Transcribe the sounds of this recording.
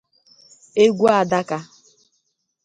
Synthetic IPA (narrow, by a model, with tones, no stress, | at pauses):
e˦ɡʷu˦a˨da˦ka˦